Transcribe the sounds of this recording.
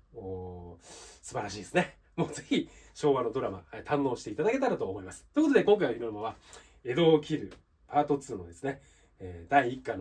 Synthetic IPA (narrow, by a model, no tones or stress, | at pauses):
oː | sɨbaɾaɕiːd̪sɨne̞ | mo̞ːd͡zeçʲiɕo̞ːβano̞d̪o̞ɾama̰et̪ʰãnːo̞ːɕi̥t̪e̞it̪ad̪ake̞t̪aɾat̪o̞ːmo̞imasɨ̥t̪o̞ikot̪od̪e̞kõ̞ŋkaiβaimonmaβa | e̞d̪o̞ːkʲiɾɯ̟ | pʰaːt̪o̞t͡sɨːno̞d̪e̞sɨne̞ | eːd̪aiːkːano